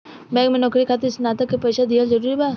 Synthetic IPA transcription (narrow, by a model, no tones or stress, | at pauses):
bɛ̃ːɡmẽnɔːkɾikʰaːt̪esnaːt̪əkːepɐʃad̪iazɐɾuːɾibaː